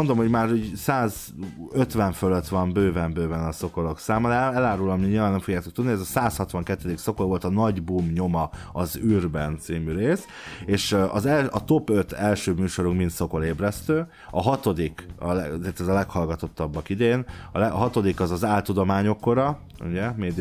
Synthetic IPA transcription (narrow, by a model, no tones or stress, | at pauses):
ond̪omho̞ɟmaːɾusaːz | øt̪ʋɛɱføløt̪ʋɒmbøːvɛmbøːvɛnɒso̞ko̞lo̞ksaːmɒd̪ɛlaːɾulɒmiɲilvaːnːɛmfoɡjaːt̪o̞k̚t̪ud̪niɛzɒsaːshɒt̪ʋɒŋkɛt̪ːɛd̪ikso̞kolvo̞lt̪ɒnɒɟbumɲo̞mɒ | ɒzyrbɛnt̪siːmyɾeːs | eːʃɒzɛlɒt̪o̞pøt̪ɛlʃøːmyːʃo̞ɾuŋkmint̪so̞ko̞leːbrɛst̪øː | ɒɦɒt̪o̞d̪ikɒlɛzeːrt̪ɛzɒlɛkhɒlɡɒt̪o̞t̪ːɒbːɒkid̪eːnɒlɛɦɒt̪o̞d̪ikɒzɒzaːlt̪ud̪o̞maːɲo̞kːo̞ɾɒ | ṵɟɛmeːd̪